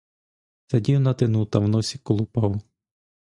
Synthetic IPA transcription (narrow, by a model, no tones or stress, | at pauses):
z̥ɐdʲiwnɐt̪ɪnut̪ɐwnɔsʲikɔlˠʊpɑw